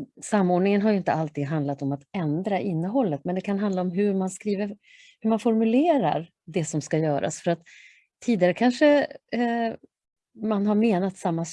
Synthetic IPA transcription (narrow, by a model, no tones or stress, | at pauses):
samːoːɖɳɪŋənɦaɾjɵɪnt̪əalt̪iːd̪ɦand̪lat̪ɔmat̪ɛnd̪ɾaʔɪnːəɦɔlːət̪mɛnd̪ɛkʰanɦand̪laɔmɦɵɾmanskɾiːvəɾ | hɵɾmanfɔɾmɵleːɾa̰ɾ | d̪ɛsɔmskajœːɾʔa̰sfœɾat̪ʰː | iːd̪ɪaɾəkʰanʂə | manɦaɾmeːnat̪samːas